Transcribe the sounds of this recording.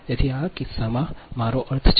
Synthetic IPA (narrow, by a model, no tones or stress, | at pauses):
t̪et̪ʰiakɪsːamãmaɾoʔəɾt̪ʰt͡ʃ